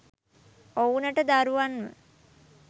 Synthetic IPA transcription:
ounəʈəd̪aɾuʋanmə̰

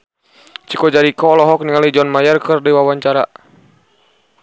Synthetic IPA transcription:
t͡ʃikɔd͡ʒaɾikɔlɔɦɔk̚niŋalid͡ʒɔnmajərkərdiwawaɲt͡ʃaɾa

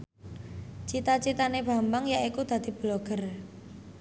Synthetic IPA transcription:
t͡ʃit̪at͡ʃit̪aneb̥a̤mbaŋjaikud̪̥ä̤d̪̥i̤b̥loɡ̥ər

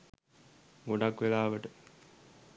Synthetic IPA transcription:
ɡoɖakːʋelaːʋəʈə

